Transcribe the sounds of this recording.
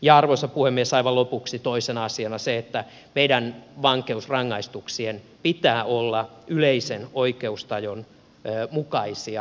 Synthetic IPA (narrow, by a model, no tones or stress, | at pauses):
jɑɑrʋosɑpuhemːiesɑiʋɑlopuksit̪oisenɑsiɑnɑseet̪ːæ | meidænʋɑŋkeusrɑŋːɑist̪uksien | pit̪æːolːɑyleisenoikeust̪ɑjonː | mukɑisiɑ